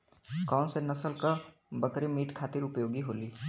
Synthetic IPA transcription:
kɔːnsenɐsəlka | bəkɾimiːʈkʰaːt̪ɪɾʊpjoːɡiɦoːliː

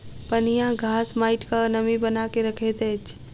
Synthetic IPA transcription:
pənijãɡʱaːsmaːɪʈkanəmibənaːkeɾəkʰet̪ɛːt͡ʃ

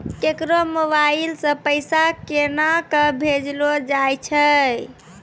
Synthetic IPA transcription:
kekɾomoβailsə̃pəjsakenakəbʱed͡ʒlod͡ʒajt͡ʃʰə

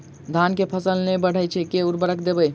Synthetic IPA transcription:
d̪ʱankepʰəsəlnɛbəɽ̤əjt͡ʃʰɛkeuɾbəɾəkd̪ebəj

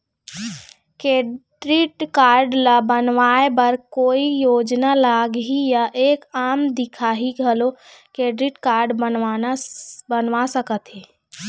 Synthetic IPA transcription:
keːɖɾiʈkaːɾɖlabənʋaːebəɾkoːijoːd͡ʒnalaːɡɦijaʔeːkaːmd̪ɪkʰaɦiɡʱəlokeːɖɾiʈkaːɾɖbənʋanabənʋasəkət̪ɦeː

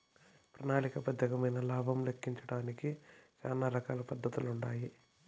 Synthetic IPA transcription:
pɾɐnaːɭikɐpɐd̪ʱjɐɡɐmɐjnɐlaːbʱɐmlekʰːiɲt͡ʃɐɽaːnikit͡ʃaːnːaɾɐkaːlɐpɐd̪ʱːɐt̪uluɳɖaːji

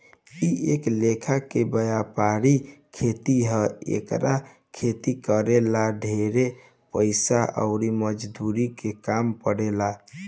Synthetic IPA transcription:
ieklekʰakebəjapaɾikʰet̪iɦəḛkɾa | kʰet̪ikəɾelaɖʱeɾe | pəɪsaʔə̰ʊɾiməd͡ʒd̪uɾikekampəɽela

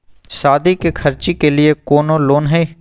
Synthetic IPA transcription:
saːd̪ikekʰəɾt͡ʃikelɪekoːnoːloːnɦɛː

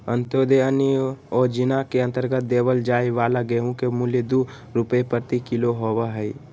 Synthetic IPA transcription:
ə̃nt̪od̪eəniɔːɾd͡ʒɪnakeə̃nt̪əɾɡət̪̚d̪eːʋəld͡ʒaːiʋaːlaɡeɦũkemuljəd̪u | ɾʊpepəɾt̪ikɪloɦoːʋaɦɛi

